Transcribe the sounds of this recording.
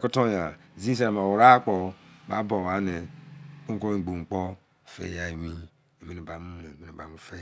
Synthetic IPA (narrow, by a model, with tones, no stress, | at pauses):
ku˦to˦ja˨ | zi˦s̬e˦ɾa˨ma˨wu˨ɾa˦k͡pɔ˨ba̰˦bo˨wa˨˦ne˨u˦ko˦i˨ɡ͡bu˨ŋ͡m̩˨k͡pɔ˦˨ | fḛ˦ja˨i˨mi˦ | e˨mi˦e˨ba˨mu˦ne˨mi˦ne˨ba˨mu˦fe˦